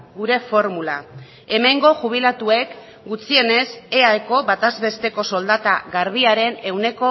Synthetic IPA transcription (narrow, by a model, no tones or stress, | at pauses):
ɡuɾe̞fo̞ɾmula | e̞me̞ŋɡo̞ʝuβ̞ilat̪ue̞k | ɡut͡sie̞ne̞seaeko̞βat̪azβe̞st̪e̞ko̞so̞ld̪at̪aɣaɾβiaɾe̞ne̞wne̞ko̞